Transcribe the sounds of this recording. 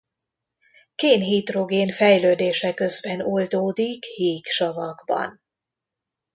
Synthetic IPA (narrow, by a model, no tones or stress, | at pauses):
keːnɦit̪ro̞ɡeːnfɛjløːd̪eːʃɛkø̞zbɛnold̪oːd̪ikhiːkʃɒvɒɡbɒ̰n